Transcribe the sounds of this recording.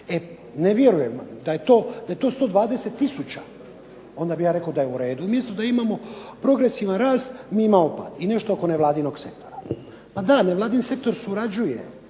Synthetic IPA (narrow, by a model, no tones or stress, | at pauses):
e | neʋjeɾujemd̪aje̞t̪o̞ːd̪aje̞t̪o̞ːst̪o̞ːd̪ʋaːd̪e̞set̪ːisut͡ɕa | o̞nd̪abijaːɾe̞kod̪ajeuɾe̞ːd̪uumjest̪ud̪aimamo̞pɾo̞ɡɾesiʋanɾaːst̪miːimamopa̰ːt̪ine̞ʃt̪ooko̞ne̞ʋlˠaːd̪ino̞ɡse̞k̚t̪o̞ɾa | pad̪aneʋlaːd̪inse̞k̚t̪o̞ɾsuɾad͡ʑujḛ